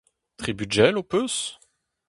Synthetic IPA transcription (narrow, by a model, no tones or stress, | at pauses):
t̪χibyʒɛlopøs